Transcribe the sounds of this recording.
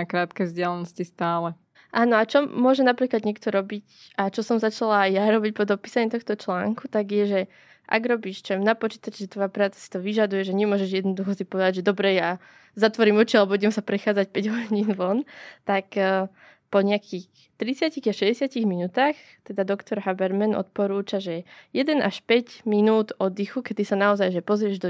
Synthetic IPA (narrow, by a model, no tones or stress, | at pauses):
akɾaːt̪kɛvzɟɪalɛnɔscist̪aːlɛ | ʔaːnɔat͡ʃɔmʊɔʒɛnapɾiːklad̪ɲɛk̚t̪ɔɾɔbicat͡ʃɔsɔmzat͡ʃalaːjjaɾɔbic̚pɔd̪ɔpiːsaɲɛt̪ɔxt̪ɔt͡ʃlaːŋkut̪aɡjɛʒɛ | ʔa̰ɡɾɔbiːʃt͡ʃɔɛmnapɔt͡ʃiːt̪at͡ʃɛʒɛt̪ʋɔjapɾaːt͡sḁsi̥t̪ɔʋiʒad̪ujɛʒɛɲɛmʊɔʒɛʒjɛd̪nɔd̪uxɔsipɔʋɛd̪aɟʒɛd̪ɔbɾɛja | zat̪ʋɔɾimɔt͡ʃialɛbɔuɟɛmsapɾɛxaːd͡zac̚pɛɟɦɔɲiːnʋɔnt̪ak | pɔɲɪakʰix | t̪ɾit͡sɪaciɣaʃɛzɛsɪaciɣminuːt̪aːx | t̪ɛd̪ad̪ɔkt̪ɔɾɦabɛɾmɛnʔɔ̰t̪̚pɔɾuːt͡ʃaʒɛjɛd̪ɛnʔa̰ʃpɛɟminuːd̪ɔd̪ixukɛt̪isanaɔzajʒɛpɔzɾɪɛʒd̪ɔ